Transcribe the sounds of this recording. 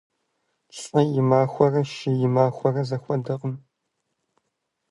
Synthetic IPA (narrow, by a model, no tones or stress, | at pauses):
ɬʼɐjɪmaːxʷɔrɐʃɪjɪmaːxʷɔrɐzɐxʷɔdɐqəm